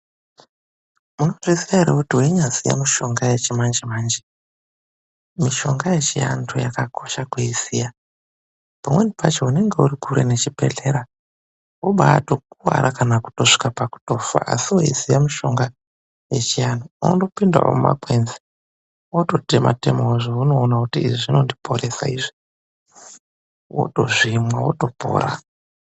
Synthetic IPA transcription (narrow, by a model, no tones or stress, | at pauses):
munoʐisiaeɾekutioiɲazija̰miʃo̞ŋɡajet͡ʃemand͡ʒemaːnd͡ʒe | miʃo̞ŋɡaje̞t͡ʃija̰ntʰojakakʰo̞ʃakuisija | pamwenipat͡ʃoune̞ŋɡe̞uɾikuɾene̞t͡ʃipe̞̰ɮe̞ɾa | oɓaːtokuwa̰ɾʔakanaku̥to̞ʂi̥kapaku̥to̞fa̰ʔa̰siwoisijamuʃo̞ŋɡa | je̞t͡ʃijandoundo̞pinda̰o̰muma̰kwenzi | oto̞tema̰te̞mooʐouno̞ːnakutḭːʐiʐino̞ndipʰo̞ɾe̞sa̰iʐi | wo̰to̞ʐimwawo̰to̞po̰ːɾa̰